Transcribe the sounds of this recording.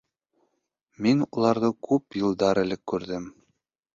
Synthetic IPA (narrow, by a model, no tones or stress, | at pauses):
minulˠɑɾðɤkʉpjɤ̆lˠd̪ɑɾɘ̆lɘkːʉɾðɘm